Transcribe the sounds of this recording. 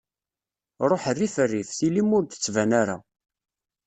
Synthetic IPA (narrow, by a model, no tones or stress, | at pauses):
ɾˤoħərːifərːifθilimʊɾd̪ə̥t͡sːvænaɾa̰